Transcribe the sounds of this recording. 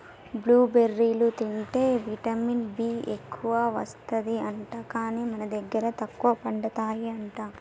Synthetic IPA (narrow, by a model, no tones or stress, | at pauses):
bluːbeɾːiːlut̪iɳʈe̞ːʋiʈɐminbiːekːuʋɐʋɐst̪ɐd̪iɐɳʈaːkaːniːmɐnɐd̪ɐɡːɐɾɐt̪ɐkːuʋɐpɐɳɖɐt̪aːjiɐɳʈaː